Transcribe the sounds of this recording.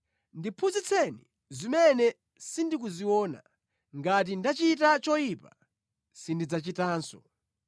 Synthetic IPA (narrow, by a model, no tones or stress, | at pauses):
ndipʰuzit͡sʰɛnḭ | zimɛnɛ | sindikuziwɔːna̰ | ŋɡat̬indat͡ʃit̬at͡ʃɔjipa | sindid͡zat͡ʃitaːnsɔ